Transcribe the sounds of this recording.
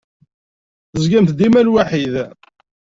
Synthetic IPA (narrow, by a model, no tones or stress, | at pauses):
θəzɡæmθd̪imælwaħið